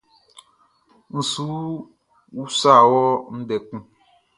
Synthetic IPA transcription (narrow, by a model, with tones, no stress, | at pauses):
n̩˨suː˨˦ | wu˦sa˦˨wɔ˦n̩˦dɛ˨ku˦